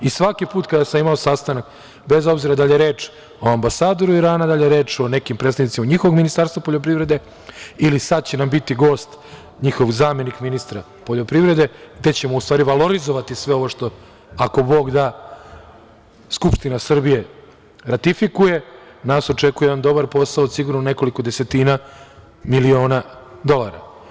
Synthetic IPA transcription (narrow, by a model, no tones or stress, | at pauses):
isʋakipuːt̪kad̪asamimaosast̪anak | be̞zo̞bziɾad̪aʎeɾeːt͡ʂ | o̞ambasaːd̪o̞ɾuiɾaːnad̪aʎe̞ɾe̞ːt͡ʂo̞ne̞kimpɾet̪t̪avnit̪simaɲixoʋoɡminist̪aɾst̪vapoʎop̬ɾiʋɾe̞d̪e̞ | ilisad̪̚t͡ɕenambit̪iɡo̞ːst̪ | ɲixo̞ʋzaːme̞nikminist̪ɾa | poʎo̞pɾiʋɾe̞d̪e̞t̪e̞t͡ɕe̞moust̪ʋaːɾiʋalˠo̞ɾizoʋat̪isʋe̞o̞ʋo̞ʂt̪o̞ | ako̞bo̞ːɡd̪a | skupʃt̪inasr̩bije̞ | ɾat̪ifikuje̞ | naːso̞t͡ʂe̞kujeand̪o̞baɾpo̞saosiɡuɾnone̞ko̞liko̞d̪e̞se̞t̪ina | milio̞ːnad̪o̞lˠaɾa̰